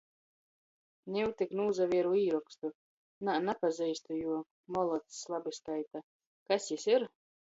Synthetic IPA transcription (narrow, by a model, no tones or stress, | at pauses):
nʲɛwt̪iknuːzaviɛɾuiːɾɔkst̪u | nanapazɛjst̪ujuɔ | mɔlˠɔt̪ːlˠabiskajt̪a | kasjisiɾ